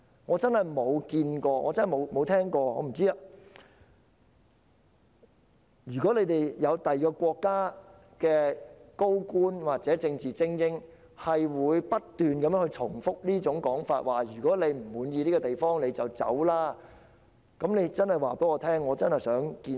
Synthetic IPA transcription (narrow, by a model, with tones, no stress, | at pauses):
ŋɔː˨˧t͡sɐ˥nhɐ˨jmo˨˧wkiː˧nkɔː˧ŋɔ̰ː˨˧t͡snhmo˨˧wmo˨˧wt̪ʰɛː˥ŋkɔː˧ɔ̰ː˨˧m̩˨˩t͡siː˥ɐ˧ | jyː˨˩kɔ˨˥le˨˧jt̪e˨jjɐ˨˧wt̪ɐ˨jkɔː˧kʷɔː˧kːaː˥ | kɛː˧ko˥wkuː˥nwaː˨˩t̚t͡sɛː˨˥t͡sɪ˧ŋt͡siː˨t͡sɪ˥ŋjɪ˥ŋ | hɐ˨jwuː˨˧jpɐ˥t̚t̪ːyː˨nkɐ˨˧mjːŋhɵ˧jt͡sʰʊ̰˨˩ŋfʊ˥k̚liː˥t͡sʊ˨˥ŋkɔː˨˥ŋfaː˧t̚waː˨jyː˨˩kɔː˨˥le˨˧jm̩˨˩wuː˨˧njiː˧liː˥ɡɔː˧t̪e˨˩jfɔː˥ŋle˨˧t͡sɐ˨wt͡sɐ̰˨˥wlaː˥ | kɐ˨˧˥mne˨˧jt͡sɐ˥nhɐ˨˩jwaː˨pe˨˥ŋɔː˨˧t̪ʰɛː˥ŋːɔː˨˧t͡sɐ˥nhɐ˨˩jsœː˨˥ŋkiː˧